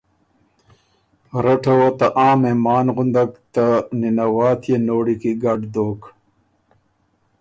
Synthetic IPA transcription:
ɾɐʈʰɐwot̪ɐʔaːmemaːnʁund̪ɐkt̪ɐninɐwaːt̪ʰjenoːɽikiɡɐɖd̪oːk

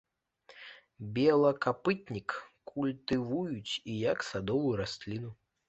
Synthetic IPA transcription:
bʲɛlˠɐkapɨt̪ʲnʲikː | ulʲt̪ɨvujut͡sʲijɐksad̪ɔvujuɾasʲlʲinu

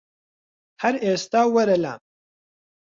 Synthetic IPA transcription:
hɐɾeːst̪aːwɐɾɐla̰ː

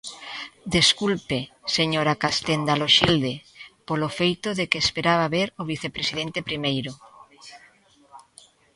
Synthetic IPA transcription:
d̪eskulpeseɲoɾakast̪end̪aloʃild̪epolofejt̪oðekeːspeɾaβaβeɾoβ̞iθepɾesið̞ent̪epɾimejɾo

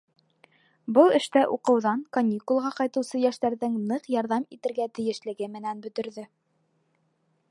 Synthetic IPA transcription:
bɤlˠɘ̆ʃt̪æʔuqɤ̆wðɑŋkɐnʲikulˠʁɑqɑjt̪ɤ̆wsɤjæʃt̪æɾðɘŋnɤqjɑɾðɑmit̪ɘ̆ɾɡæt̪ɘ̆jɘ̆ʃlɘ̆ɡɘmɘ̆nænbɵ̆t̪ɵ̆ɾðɵ

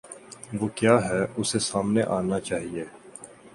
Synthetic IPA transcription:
ʋoːkjaːɦɛʊsesaːmneʔaːnat͡ʃaːɦieː

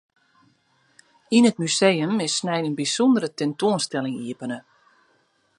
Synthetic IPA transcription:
inət̚mysejəmɪsnɛjənbisɔndəɾətɛntoənstɛlɪŋiəpənə

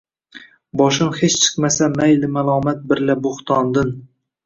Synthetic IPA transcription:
bɒʃɪmhet͡ʃt͡ʃʰɨ̥qmasamajlɪmalˠɒːmat̪̚bɪɾlabʊχt̪ʰɒnd̪ɪn

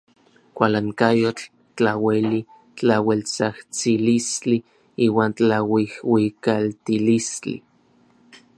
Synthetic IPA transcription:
kʷalaŋkajot͡ɬ | t͡ɬaweli | t͡ɬawelt͡saht͡silist͡ɬi | iːwaːnt͡ɬawihwikalt̪ilist͡ɬḭ

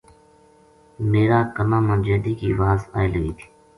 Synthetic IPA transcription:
meːɾaːkənãːmãːd͡ʒeːd̪iːkḭːʋaːza̰ːɪləɡḭːt̪ʰi̥ː

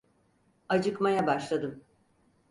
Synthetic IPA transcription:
ad͡ʒɯkmajabaʃlˠad̪ɯm

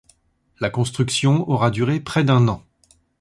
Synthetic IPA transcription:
lakɔ̃st̪χyksjɔ̃ɔʁad̪yʁepχɛd̪ɛ̃nɑ̃

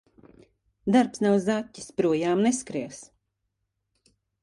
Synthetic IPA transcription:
d̪aɾpsnawzatʲːi̥spɾuɔjaːmneskɾiɛs

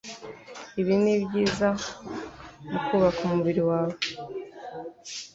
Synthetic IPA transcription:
iβinibɟiːza | nukuβakumuβiɾiwaːβo

